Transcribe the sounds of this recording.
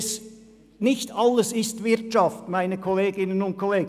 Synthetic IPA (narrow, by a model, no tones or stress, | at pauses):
s | nɪçtɑlːəsɪstvɪɐtʃɑftmaɪnəkʰɔleːɡɪnənʊnt̚kʰoleː